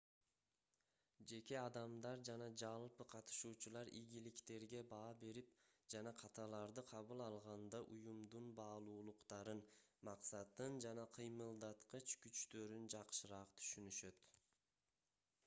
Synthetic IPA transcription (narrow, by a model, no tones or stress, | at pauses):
d͡ʒe̞ke̞ɑd̪ɑmd̪ɑɾd͡ʒɑnɑd͡ʒɑlˠpɯqʰɑt̪ɯ̥ʃuːt͡ʃulˠɑɾʔiɡʲilikt̪e̞ɾɡe̞bɑːbe̞ɾipd͡ʒɑnɑqʰɑt̪ɑlˠɑɾd̪ɯqʰɑβɯlˠɑlˠʁɑnd̪ɑʔujumd̪unbɑːlˠuːlˠuqt̪ɑɾɯnmɑqsɑt̪ːɯnd͡ʒɑnɑqʰɯjmɯlˠd̪ɑt̪qɯt͡ʃkyt͡ʃt̪ø̞ɾynd͡ʒɑqʃɯɾɑʁt̪ʰy̥ʃynyʃø̞t̪